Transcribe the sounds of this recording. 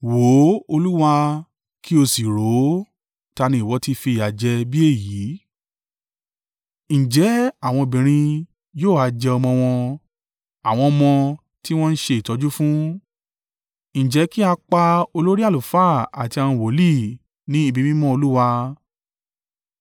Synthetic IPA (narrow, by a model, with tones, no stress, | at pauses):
wo˨˦o˧lu˦wa˧ | kʰi˦o˧si˨ɾo˨˦ | ta˧nĩ˧i˨wɔ˨˧˦ti˦fi˧˨a˨d͡ʒɛ˧bi˦e˦˨jiː˨˦ | ñ̩˨d͡ʒɛ˨˦a˦˨w̃ɔ̃˧˨bĩ˨ɾ̃ĩ˧ | joː˦˨a˨˧d͡ʒɛ˧ɔ˧mɔ̃˧w̃ɔ̃˧ | a˨w̃ɔ̃˧mɔ̃˧ | ti˦w̃ɔ̃˦n̩˦ʃe˧i˨tɔ˨˦d͡ʒu˦fũ˦ | ñ̩˨d͡ʒɛ˨˦ki˦a˧k͡pa˧o˧lo˦ɾi˦a˦˨lu˨fa˦a˨ti˧a˧nũ˧wo˨˦li˦˨ | nĩ˨˦i˦˧˨bi˧mĩ˦mɔ̃˦o˧lu˦wa˧